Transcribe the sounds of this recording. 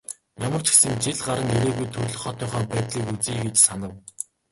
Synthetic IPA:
jamə̆r̥t͡ɕ̆ʰxsɘ̆ŋt͡ɕiɮɢaɾə̆ŋeɾeːɣujt̪ʰɵt̪ɮɵ̆χɔt̪iːŋχɔːpæːt̪ɮiːkut͡siːɡet͡ɕsanə̆w

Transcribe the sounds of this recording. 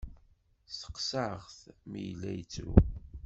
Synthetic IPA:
sə̥qsaʁθmijlːæjt͡sːɾṵ

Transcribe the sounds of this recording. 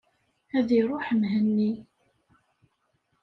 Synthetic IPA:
æðiɾˤoħəmɦənːi

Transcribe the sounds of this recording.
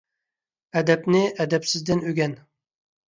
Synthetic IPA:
ɛd̪ɛpnɪʔɛd̪ɛpsɪzd̪ɪnøɡʲɛn

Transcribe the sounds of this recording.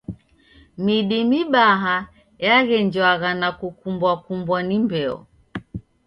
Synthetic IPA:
miɗimiɓaɦa | jaɣɛɲd͡ʒaɣanakukumbwakumbwanimbɛɔ̰

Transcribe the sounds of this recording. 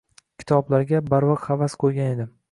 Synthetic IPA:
kʲʰɪ̥t̪ʰɒblaɾɡʲabaɾvɒqhavasqʰojɡʲane̞d̪ɪ

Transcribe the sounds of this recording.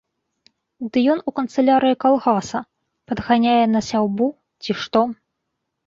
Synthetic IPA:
d̪ɨjɔnukɐnt̪sɨlʲaɾɨjikalˠɣasɐ | pɐd̪ɣanʲajɛnɐsʲawbu | t͡sʲiʂt̪ɔ

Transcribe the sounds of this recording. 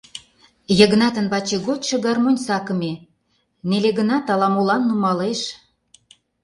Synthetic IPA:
jə̆ɣnɑt̪ənβɑt͡ɕeɡot̪ʃɤ̆ɡɑrmonʲsɑkə̆me | neleɣənɑt̪ɑlɑmulɑnːumɑleʃ

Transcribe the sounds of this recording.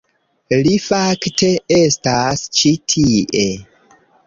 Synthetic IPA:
lifaktʰe̞estast͡ʃitʰiʔe̞

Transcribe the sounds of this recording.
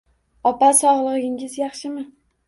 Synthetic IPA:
ɒpasɒʁlˠɨʁɨɡʲɪŋɪzjɑχʃɪmɪ

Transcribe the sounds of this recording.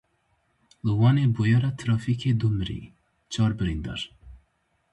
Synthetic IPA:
lɨwɑːneːbojɛɾat̪ʰɾɑːfiːkʰeːd̪umɨɾḭː | t͡ʃʰɑːɾbɨɾind̪ɑ̰ɾ

